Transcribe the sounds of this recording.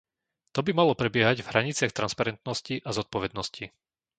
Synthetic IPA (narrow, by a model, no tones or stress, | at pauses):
t̪ɔbimalɔpɾɛbɪɛɦaɟvɦɾaɲit͡sɪaxt̪ɾanspaɾɛnt̪nɔsciʔazɔt̪̚pɔʋɛd̪nɔsci